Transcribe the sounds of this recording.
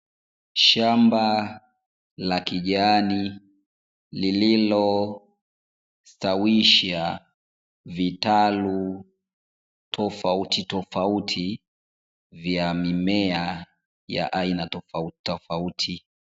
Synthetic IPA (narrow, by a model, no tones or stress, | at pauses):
ʃamba | lakiʄani | lililɔ | stawiʃa | vitalu | tʰɔfautitɔfautʰi | vjamimɛa | ja̰ʔainatɔfautɔfautʰi